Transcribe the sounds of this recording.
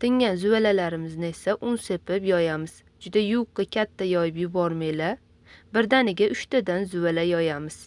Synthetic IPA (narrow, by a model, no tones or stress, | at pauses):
t̪ʰɪŋʲanzʊwalalaɾɪmɪznɪe̞saʔʊnse̞pɪpjɒjamɪz̥ | d͡ʒʊd̪ajʊwqːɨkʲʰat̪ʰːajɒjɪpjɪbɒɾmela | bɪɾd̪anɪɡʲaʔʊʃt̪ad̪anzʊalajɒjamɪz̥